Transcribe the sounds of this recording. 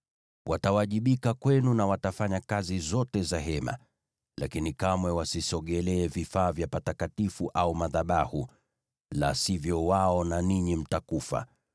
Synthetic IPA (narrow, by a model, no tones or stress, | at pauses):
wʔatawaʄiɓikakwɛnunawatafaɲakazizɔtɛzaɦɛma̰ | la̰kinikamwɛwasisɔɠɛlɛːvifaːvjapatakatifuʔaumaðaɓahu | la̰sivjɔwaɔnaniɲim̩takufa̰